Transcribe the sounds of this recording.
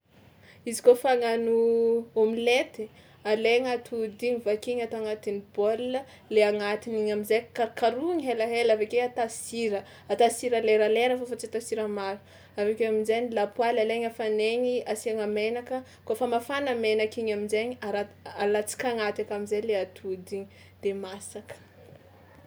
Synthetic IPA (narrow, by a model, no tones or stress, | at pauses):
izikofaŋanuomilet̪i | aleŋat̪ud̪iŋivakiɲat̪oaŋat̪inib̥olːə | leaŋat̪iniɲamizekaɾkaɾuiŋiɦelaɦelavekeat̪asiɾə | at̪asiɾaleɾaleɾəfofat͡sit̪asiɾəmaɾu̥ | avekeaminzeɲilapwalaleɲafaneɲiasiaŋamenakə | kofəmafanamenakiɲamizeɲiaɾaalat͡si̥kʲaŋat̪akamizejleat̪ʰud̪iɲi | d̪̥emasakə̥